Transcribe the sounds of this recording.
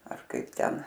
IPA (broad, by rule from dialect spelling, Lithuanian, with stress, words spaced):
ɐr ˈkɐɪp ˈtʲɛn